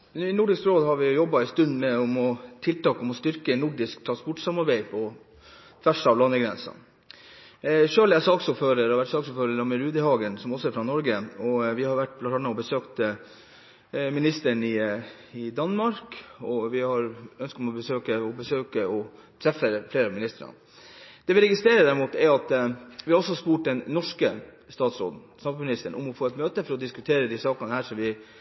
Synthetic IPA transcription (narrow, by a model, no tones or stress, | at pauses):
nʉːɪnʊɖɪskɾoːd̪hɑɾʋɪʊjɔbːɑɪst̪ʉnd̪mɛɔmɔt̪ʰɪlt̪ɑːkɔmɔst̪ʏɾkənʊɖɪskt̪ʰɾɑnspɔʈsɑmɑɾbæɪpʰɔ | t̪ʰʋæʂɑʋlɑnːəɡɾɛnsɑ̰n | ʂøːlæsɑːksuːpføːɾəɾhɑɾʋæʈsɑːɡsuːføːɾəɾɑməɾʉːd̪əhɑːɡənsɔmɔsɔɛɾfɾɑnɔɾɡəɔʋɪhɑɾʋæʈ̚ːblɑɑɳəɔbəsøːkt̪ | mɪnɪst̪əɳɪ | ɪd̪ɑnmɑɾkɔʋɪhɑɾœnskt̪ɔmɔbəsøːkəɔbəsøːkəɔ | t̪ʰɾɛfəfleːɾɑmɪnɪst̪əɾɑ̰ | d̪̥ɛːʋɪɾɛɡɪst̪ɾeːɾəd̪æɾɪmuːt̪ɛɾɑt̪ʋɪhɑɾɔsɔɑspuːʈ̚d̪ɛnːɔʂkəst̪ɑːt̪sɾo̰ːd̪n̩sɑmfmɪnɪst̪əɳʔɔmɔfoːɛt̪møːt̪əfɔɾɔd̪ɪskʉt̪ʰeːɾəd̪ɪsɑːkɑnəhæːʂɔmʋɪ